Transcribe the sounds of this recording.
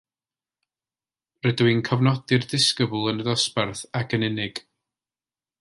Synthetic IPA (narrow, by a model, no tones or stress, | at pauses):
rɛdwinkʰəvnɔd̥ɪrdɪskəbʊlˠənəðɔspɛrθakʰənɪnɪɡ̥